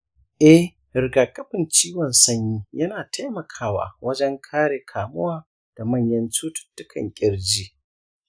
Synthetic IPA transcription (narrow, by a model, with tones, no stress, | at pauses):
ʔɛ˦h | ɾɪ˨ɡaː˨kʼɐ˦ɸɪ˨nt͡ʃiː˦wɔ˨nsɐ˦ɲjiː˦jɐ˦naː˨tʰa˦jmɐ˨kʰaː˦wa̰ː˨wɐ˦d͡ʒɛ˦ŋkʰaː˦ɽeː˨kʰaː˨mʊ˦waː˦ | d̥a˨mɐ˦˨ɲjɐ˦nt͡ʃuː˦tʊ̥˨tːʊ˦kʰɐ̰˨ŋkʲʼɪ˨ɽd͡ʒiː˦